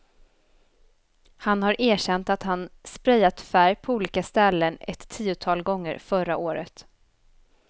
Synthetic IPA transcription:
hanhaɾʔeːɕɛnt̪at̪hanspɾɛjːat̪fæɾjpʰɔuːliːkast̪ɛlːənɛ̰t̪ʰːiːʊt̪ʰɑːlɡɔŋːə̰ɾfœɾa̰ʔoːɾə̰t̪

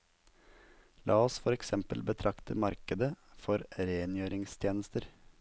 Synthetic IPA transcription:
lʔɑːɔsfɔɾɛksɛmpəlbət̪ʰɾʔɑkt̪ʰə̰mɑɾkəd̪əfɔɾɾeːnjøːɾɪŋst̪ʰjeːnəst̪əɾ

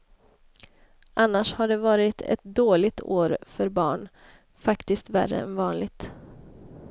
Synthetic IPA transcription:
ʔanːaʂhaɖɛvɑːɾɪt̪ʰɛ̰t̪̚d̪oːlɪɡt̪ʰo̰ːɾfœɾbɑ̰ːɳ | fakt̪ɪst̪væ̰rːə̰ɛ̰nvɑːnlɪɡ̚t̪

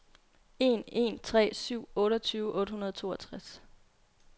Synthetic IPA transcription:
e̝ne̝̰nt͡sʰʁɛ̰ːsyʊ̰ɔ̽ːɾɐt͡sʰyːʊəʔɔ̽ːd̥hunɐð̞ˠt͡sʰo̝ːɐt͡sʰʁas

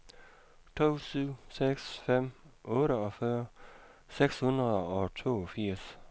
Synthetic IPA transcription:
t͡sʰo̰ːsyʊ̰seɡ̥sfem̰ɔ̽ːɾəɒ̽fɶːɐ | seɡ̥shunʁɐðˠəɒ̽t͡sʰo̝̰ːɒfiɐ̰s

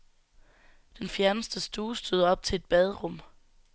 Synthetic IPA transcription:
d̥enfjæɐnəsd̥əsd̥uːsd̥øðˠɒ̽b̥̚t͡sʰe̝e̝d̥b̥ɛð̞ˠʁɔ̽m̰

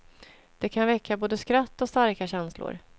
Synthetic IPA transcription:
d̪̥ɛkʰanvɛkʰːaboːd̪əskɾat̪ːɔst̪aɾkaɕɛnslʊ̰ɾ

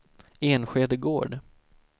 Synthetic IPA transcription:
eːnɧeːd̪əɡo̰ːɖ

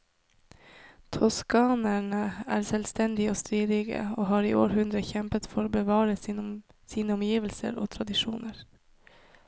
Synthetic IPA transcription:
t̪ʰɔskɑːnæɳəæ̰ːɾsɛːlst̪ɛnd̪ɪoːst̪ɾiːd̪ɪɡə̰oːɦɑːɾḭːʔo̰ːɾɦʉnd̪ɾəçɛmpət̪fɔɾbəʋɑːɾə | siːnəɔmjiːʋəlsə̰ɾo̰ːt̪ʰɾɑd̪ɪʂuːnəɾ

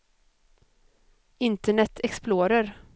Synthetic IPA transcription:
ɪnt̪əɳɛt̪ʰːɛksploːɾəɾ

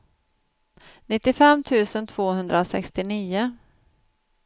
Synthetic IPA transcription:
nɪt̪ːɪfɛmːt̪ʰʉ̟ːsənt̪ʰv̥oːhɵnd̪ɾasɛ̰kst̪ɪniːʊ

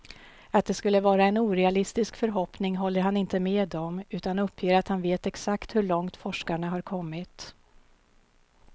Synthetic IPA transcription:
at̪̚d̪ɛskɵlːəvɑːɾaɛnuːɾɛalɪst̪ɪskfœɾɦɔpnɪŋɦɔlːəɾɦanɪnt̪əmeːd̪ɔmʉ̟ːt̪anɵpʰːjeːɾat̪hanveːt̪ɛksakt̪hɵɭɔŋt̪fɔʂkaɳaɦaɾkʰɔmːɪt̪

